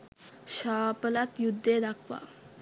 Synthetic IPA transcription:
ɕapəlat̪jud̪ʱːed̪akʰʋa̰

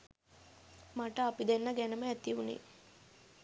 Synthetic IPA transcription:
maʈəapid̪enːəɡænəməæt̪iʋunḛ

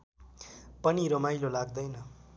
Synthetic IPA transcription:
pʌniɾomajlolaɡd̪ʌjnʌ

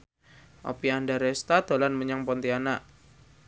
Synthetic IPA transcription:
ʔɔ̰piandaɾɛst̪ad̪̥o̤lanməɲaŋpɔnt̪ianaʔ

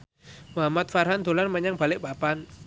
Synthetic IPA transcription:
mamat̪̚farɦand̪̥o̤lanməɲaŋb̥a̤lɪk̚b̥apan

